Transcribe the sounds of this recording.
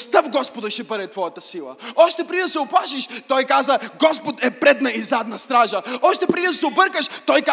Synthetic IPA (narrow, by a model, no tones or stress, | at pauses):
st̪afɡɔspʊd̪ɐʃɛpɛɾɛt̪vɔjɐt̪ɐsilˠɐ̰ɔʃt̪ɛpɾid̪ɐsɛʊplˠaʃiʃt̪ɔjkazəɡɔspʊt̪ɛpɾɛd̪nɐizad̪nɐst̪ɾaʒɐɔʃt̪ɛpɾid̪sɛʊbəɾkəʃt̪ɔjka